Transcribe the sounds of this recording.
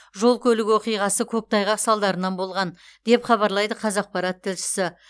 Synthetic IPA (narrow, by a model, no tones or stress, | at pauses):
ʒo̞lˠkʲʰɵlɪkʲwo̞qijʁɑsəkʲʰɵk̚t̪ʰɑjʁɑqsɑlˠd̪ɑɾənɑnbo̞lˠʁɑn | d̪̥e̞pχɑβɑɾlˠɑjd̪əqʰɑzɑq̚pɑɾɑt̪ʰːɪlʃɪ̥sɪ